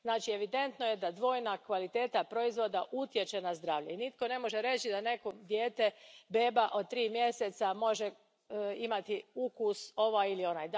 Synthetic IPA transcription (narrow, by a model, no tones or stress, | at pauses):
znaːt͡ʃie̞ʋid̪e̞nt̪no̞jed̪ad̪ʋo̞jnakʋalit̪e̞ːt̪apɾo̞izʋo̞d̪aʔut̪je̞t͡ʃe̞nazd̪ɾaːʋʎeinit̪ko̞ne̞mo̞ʒeɾe̞t͡ɕid̪ane̞kod̪jeːt̪e̞be̞ːbaʔo̞d̪̚t̪ːɾiːmje̞set̪samo̞ʒe | imat̪iukuso̞ʋajilio̞najd̪a